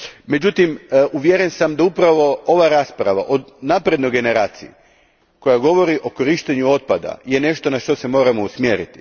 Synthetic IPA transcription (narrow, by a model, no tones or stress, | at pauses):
me̞d͡ʑut̪imʔuʋjeɾe̞nsamd̪aupɾaʋo̞o̞ʋaɾaːspɾaʋa̰ʔo̞d̪naːpɾe̞d̪no̞jɡe̞ne̞ɾaːt̪sii | ko̞jaɡo̞ʋo̞ɾiʔo̞ko̞ɾiʃt̪eɲuo̞t̪̚pad̪a̰je̞ne̞ʃt̪o̞naʃt̪o̞se̞mo̞ːɾamo̞usmjeːɾḭt̪i̥